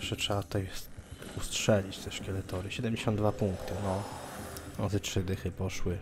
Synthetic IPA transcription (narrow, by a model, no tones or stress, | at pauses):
fʂɛtʂɛbat̪u̥t̪ajustʂɛlʲit͡ɕt̪ɛʂkʲɛlɛt̪ɔɾɘɕɛd̪ɛmʲd͡ʑeɕɔ̃nd̪d̪vapuŋkt̪ɘnɔ | nɔzɛtʂɘd̪ɛxɘpɔʂwɘ